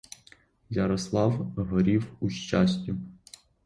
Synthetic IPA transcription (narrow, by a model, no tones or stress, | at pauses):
jɐɾɔslˠɑwɦɔɾʲiwuʃt͡ʃɑsʲtʲʊ